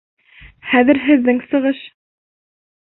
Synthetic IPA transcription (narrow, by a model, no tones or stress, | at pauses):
χæðɘ̆ɾɦɘ̆ðːɘŋsɤ̆ʁɤʃ